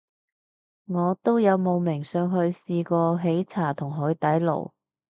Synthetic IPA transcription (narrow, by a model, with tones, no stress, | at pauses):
ŋɔː˨˧t̪o˥wjɐ˨˧wmo˨˧wmɪ˨˩ŋsœː˨˧ŋɦɵ˧ɥsiː˧kɔː˧ɦe˨˥jt͡sʰaː˨˩t̪ʰʊ˨˩ŋɦɔː˨˧˥ɥt̪ɐ˨˥jlo̰˨˩w